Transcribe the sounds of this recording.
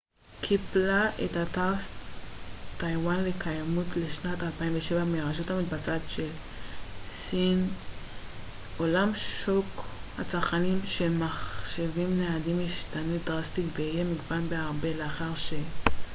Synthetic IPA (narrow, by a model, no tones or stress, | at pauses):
kʰiblaʔetata | tajwanlekʰajamutleʃnatalpaimveʃe̞vameʁaʃothamit̚bat͡satʃel | sin | olamʃokhat͡saʁχanimʃemaχʃevimneadimjiʃtanudʁastikveijemiɡbanbeaʁbe̞leaχaʁʃe